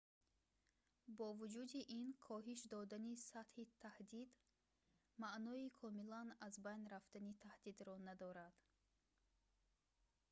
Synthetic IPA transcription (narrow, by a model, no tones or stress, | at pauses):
bɔvud͡ʒud̪iʔinkʰɔɦiʃd̪ɔd̪anisat̪hit̪ʰahd̪id̪ | maʔnɔikʰɔmilanazbajnɾaft̪anit̪ʰahd̪id̪ɾɔnad̪ɔɾad̪̥